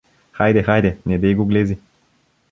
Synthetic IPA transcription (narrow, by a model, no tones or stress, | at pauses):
xajd̪exajd̪enʲed̪ejɡuɡlezi